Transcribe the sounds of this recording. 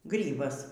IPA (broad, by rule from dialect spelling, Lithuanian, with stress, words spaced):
ˈɡrʲiːbɐs